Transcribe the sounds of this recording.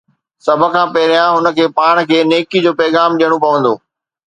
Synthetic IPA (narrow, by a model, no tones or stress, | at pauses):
sɐbʱə̆kʰãːpɐɦɪɾijãɦʊnə̆kʰeːpaːɽ̃kʰeːneːkid͡ʑoːpɛːɣaːmɗijəɽ̃opɐʋə̃nd̪o̰ː